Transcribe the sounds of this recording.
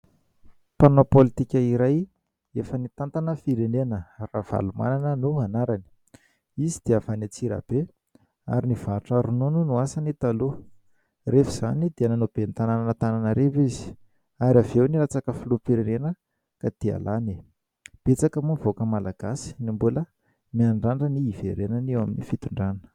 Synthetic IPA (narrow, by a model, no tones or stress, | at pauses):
panopolit̪ikʲəiɾaj | efənit̪ant̪anəfiɾenenərav̥a̰luma̰nanənuanaɾani̥ | izid̪̥eavanit͡siɾa̰b̥e | a̰ɾinivaɾuʈ͡ʂəɾunununuasanit̪alu | refiz̥anid̪̥eananob̥ent̪anananət̪ananəɾewizi̥ | aɾavewniɾat͡sakəfilupiɾenenə | kad̪̥ia̰lani | b̥et͡sakəmuvokəmalaɡ̥asi̥nimbulə | miaɳɖ͡ʐaɳɖ͡ʐəniːveɾenanewaminifit̪uɳɖ͡ʐannə̥